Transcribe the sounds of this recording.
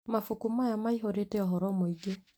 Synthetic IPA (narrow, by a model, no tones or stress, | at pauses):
mafukumajamaiɦoɾetɛɔɦɔɾɔmoiɡe